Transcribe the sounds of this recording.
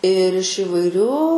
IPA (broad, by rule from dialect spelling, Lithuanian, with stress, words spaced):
ɪr ɪʃ iːʋɐɪˈrʲuː